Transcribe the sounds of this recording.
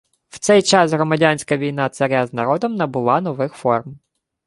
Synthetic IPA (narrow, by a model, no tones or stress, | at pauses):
w̥t̪sɛjt͡ʃɑsɦɾɔmɐdʲanʲsʲkɐʋʲijn̪ɑt̪sɐɾʲaznɐɾɔd̪ɔmnɐbʊlˠɑnɔʋɪxfɔrm